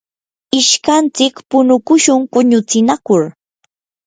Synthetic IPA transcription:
ɪʃkant͡sɪkpʊnʊkʊʃʊŋpʊɲʊt͡sɪnakʊɾ

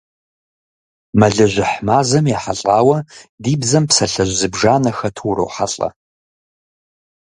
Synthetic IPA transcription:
mɐɮɐʒʷɪħmaːzɐmjaħaɬʼaːwɐdiːbzɐmpsɐɬɐʒʷzɨbʐaːnɐxɐtʰuɾo̰wħa̰ɬʼɐ̰

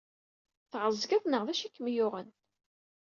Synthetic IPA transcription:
θʁəzˤɡæðnəʁðæʃækːəmjʊʁən

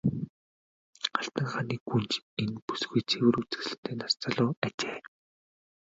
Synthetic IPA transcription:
aɬt̪ə̆ŋχaːniːɡunt͡ɕenpu̥sɣujt͡sʰewɘ̆rut͡sɘ̆sɮɘ̆t̪ʰeːnar̥t͡saɮʊːat͡ɕeː

